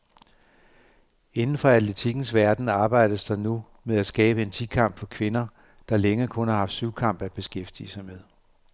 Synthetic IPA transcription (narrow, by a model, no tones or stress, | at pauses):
e̝nn̩fɒ̽æ̥le̝t͡sʰiɡ̥n̩sʋæɐd̥n̩ɑ̈ːb̥ɑ̈ɪ̰d̥əsd̥ɑ̈nu | meðˠæsɡ̥ɛːb̥əe̝nt͡sʰikʰɑ̈m̰b̥fɒ̽kʰʋe̝nɐ | d̥ɑ̈leŋəkʰɔ̽nhɑ̈hɑ̈fd̥syʊkʰɑ̈m̰b̥æ̥b̥e̝sɡ̥efd̥iəsɑ̈ɪmeðˠ